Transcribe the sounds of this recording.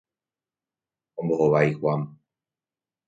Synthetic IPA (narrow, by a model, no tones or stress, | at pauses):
õmbohoʋaixwam